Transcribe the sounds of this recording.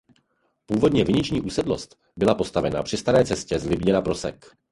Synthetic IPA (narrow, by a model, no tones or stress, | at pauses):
puːvo̞dɲɛvɪɲɪt͡ʃɲiːʔuːsɛdlo̞̰st̪ | bɪlapo̞st̪avɛna̰pr̝̥ɪst̪aɾɛːt͡sɛscɛzlɪbɲɛnapɾo̞sɛ̰k